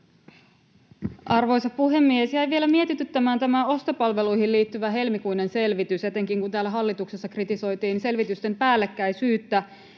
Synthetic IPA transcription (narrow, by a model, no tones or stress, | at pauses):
ʔɑrʋo̞jsɑpuɦe̞mːiesjæjʋie̞læmie̞t̪it̪yt̪ːæmæːnt̪æmæo̞st̪opɑlʋe̞lujɦilliːt̪ːyʋæɦe̞lmikujne̞nse̞lʋit̪yse̞t̪e̞ŋkiŋkunt̪æːlːæɦɑlːit̪ukse̞sːɑkrit̪iso̞jt̪iːnse̞lʋit̪yst̪e̞mpæːlːe̞kːæjsyːt̪ːæ